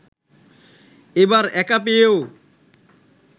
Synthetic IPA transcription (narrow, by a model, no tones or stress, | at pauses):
ebaɾɛkap̬eeo